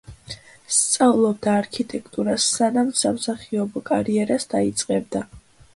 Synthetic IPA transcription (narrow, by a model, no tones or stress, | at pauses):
st̪sʼavlˠɔbd̪aːɾkʰit̪ʼɛkʰt̪ʼuɾasːanamsamsaχiɔbɔkʼaɾiɛɾasd̪ait̪sʼqʼɛbd̪a